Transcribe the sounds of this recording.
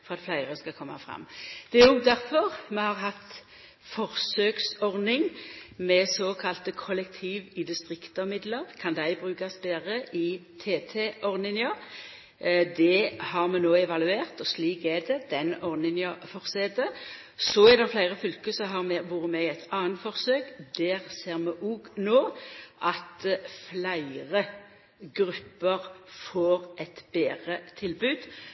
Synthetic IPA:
fɔʁɑt̪flæɪʁəskɑkʰɔmːɑ̰fʁɑ̰mːd̪̥ɛɛʊɡd̪æʁfɔʁmɛhɑʁɦɑt̪ | fɔʁsøːksɔʁnɪŋmɛsoːkʰɑlt̪əkʰɔlɛk̚t̪ʰiːʋɪd̪ɪst̪ʁɪkt̪ɔmɪd̪ləʁkʰɑnd̪æɪbʁʉːkɑsbeːʁəʔɪt̪ʰeːt̪ʰeʔɔʁnɪŋə | d̪ɛhɑʁmɛnoːɛʋɑlʉeːʁt̪ɔsliːkɛd̪ɛd̪ɛnɔʁnɪŋɑfɔʁsɛd̪ə | sɔɛd̪ɛʁflæɪʁəfʏlkəsɔɦɑʁmɛʋʊʁəmɛɛt̪ɑːənt̪fɔʁsøːkd̪æːʁseːʁmɛʔuɡnoːʔɑt̪flæɪʁə | ɡʁʉpːəʁfoːʁʔɛt̪b̥eːʁət̪ʰɪlbʉːd̪̥

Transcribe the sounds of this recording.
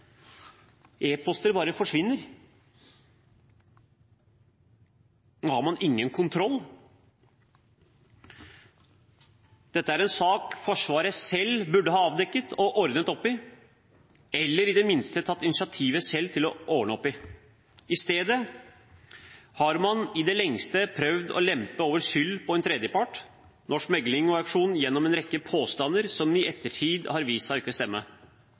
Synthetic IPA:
ʔeːpʰɔst̪əɾbɑːɾəfɔʂʋɪnːəɾ | noːhɑɾmɑnɪŋːənkʰʊnt̪ʰɾɔlː | d̪̥ɛt̪ːəæɾɛnsɑːkfɔʂʋɑːɾəsɛlːbʉɖːəhɑːɑːʋd̪ɛkːət̪ʰɔʔɔɾd̪nət̪ɔpːɪ | ɛlːəɾɪd̪ɛmɪnst̪ət̪ʰɑt̪ːɪnɪsɪɑt̪ʰiːʋəsɛlːt̪ʰɪlɔʔoːʋɳəɔpːɪ | ɪst̪eːd̪ə | hɑɾmɑnɪd̪ɛlɛŋst̪əpʰɾœʋd̪ɔ̰lɛmpəoːʋəɾʂʏlːpʰɔɛnt̪ʰɾɛd̪jəpʰɑʈ | nʔɔʂmɛɡlɪŋɔɑkʂuːnn̩jɛnːɔmɛnɾɛkːəpʰoːst̪ɑnːəɾsɔmɪɛt̪ːəʈʰiːd̪hɑɾʋiːsɑɪkːəst̪ɛmːə

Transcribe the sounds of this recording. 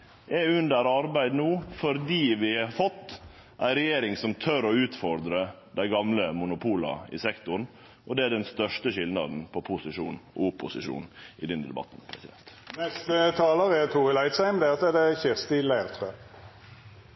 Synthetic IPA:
ʔɛʉnd̪əɾɑɾbæɪd̪nuːfɔɾd̪iːʋɪɑfɔt̪ː | ʔæɪɾɛjeːɾɪŋsɔmt̪ʰœɾɔʉːt̪fɔɾd̪ɾə | d̪æɪɡɑmləmʊnʊpʰuːlɑ̰ɪ̰sɛkt̪ʊɾn | ʔɔd̪ɛæɖɛnst̪œʂtəʂɪlnɑ̰d̪n̩pʰɔpʰʊsɪʂṵːnɔ̰ʊpːʊsɪʂṵːnɪd̪ɛnd̪ɛ̰bɑ̰t̪ːn̩pʰɾɛ̰sɪd̪ɛnt̪nɛst̪ət̪ʰɑːləʁɛt̪ʰuːʁɪlæɪt̪sæɪmd̪ɛsɛd̪ɛçɪʁst̪ɪlæɪʁt̪ʰʁøː

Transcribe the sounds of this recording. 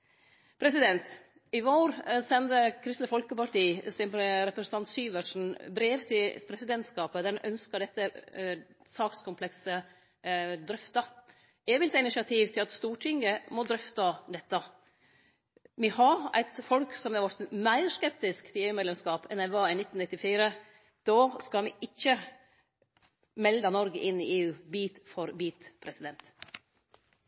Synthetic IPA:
pʰɾɛsɪd̪ɛnt̪ | ɪʋoːɾsɛnd̪əkʰɾɪst̪ləfɔlkəpɑʈiːsɪpɾɛpɾɛsən̩ʰɑnt̪syːʋəʂn̩bɾeːʋt̪ʰɪlpʰɾɛsɪd̪ɛnt̪skɑːpəd̪æɾnʔœnskəɖɛt̪ːə | sɑːkskʰʊmpʰlɛksə | d̪ɾœft̪ɑ | eːʋɪlt̪əɪnɪʂɑt̪ʰiːʋt̪ʰɪlɑt̪st̪uːʈʰɪŋəmɔd̪ɾœft̪ɑd̪ɛt̪ːə | mihɑɾæ̰ɪt̪fɔlksɔmɛɾʋɔɾt̪mæɪɾʂkɛp̚t̪ɪskt̪ʰɪeːʉːmɛd̪lɛmskɑːpʰɛnæʋɑːɪnɪt̪ːnɪt̪ːɪfiːɾə | d̪̥oːskɑlmɪʔɪçːə | mɛld̪ənɔɾɡəʔɪnːɪeːʉːbiːt̪fɔɾbiːt̪pʰɾɛsɪd̪ɛnt̪

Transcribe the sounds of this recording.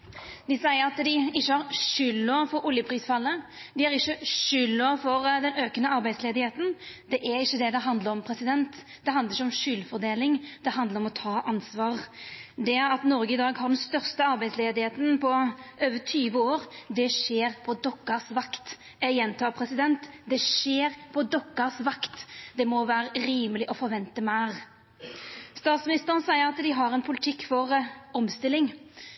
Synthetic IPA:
d̪ɪsæɪəɾɑt̪d̪ɪɪçːəhɑɾʃʏlːoːfɔɾʊljəpʰɾiːsfɑlːəd̪ɪæɾɪçːəʃʏlːoːfɔɾd̪ɛnøːkənəɑɾbæɪd̪sleːd̪ɪheːt̪nd̪̥ɛʔæɾɪçːəd̪ɛd̪ɛɦɑnd̪ləɾɔmpʰɾɛsɪd̪ɛnt̪ | d̪ɛɦɑnd̪əɾɪçːəɔmʃʏlfɔɾd̪eːlɪŋd̪̥ɛɦɑnd̪ləɾɔmɔt̪ʰɑːʔɑnsʋɑːʁd̪ɛæɾɑt̪nɔɾɡəɪd̪ɑːɡhɑɾd̪ɛnst̪œʁst̪əɑɾbæɪd̪sleːd̪ɪheːt̪ən̩pʰɔøːʋət̪ʰyːʋəoːɾd̪ɛʂeːʁpʰɔd̪ɔkːəsʋɑkt̪ | æjɛnt̪ʰɑːpʰɾɛsɪd̪ɛnt̪d̪ɛʂeːɾpʰɔd̪ɔkːəsʋɑkt̪d̪ɛmɔʋæːɾəɾiːməlɪʔɔfɔɾʋɛnt̪əmæːʁ | st̪ɑːt̪smɪnɪst̪əʁənsæɪəɾɑt̪d̪ɪɦɑʁɛnpʰʊlɪt̪ʰɪkːfɔʁɔmst̪ɪlːɪŋ

